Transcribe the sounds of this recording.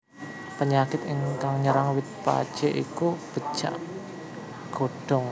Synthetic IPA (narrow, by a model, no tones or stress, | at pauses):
pəɲakɪt̪ɪŋkaŋɲəɾaŋwɪt̪̚pa̰d̥ʒ̥eʔḭkub̥ə̤̥ʒ̥a̰ʔ | ɡ̥oɖ̥ɔŋ